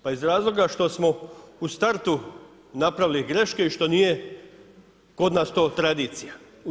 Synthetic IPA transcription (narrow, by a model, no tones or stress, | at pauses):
paizɾaːzlo̞ɡaʃt̪o̞smo̞ust̪aɾt̪u | napɾaʋiliɡɾe̞ʃke̞iʃt̪o̞nije̞ | ko̞d̪naːst̪o̞ːt̪ɾad̪iːt̪sija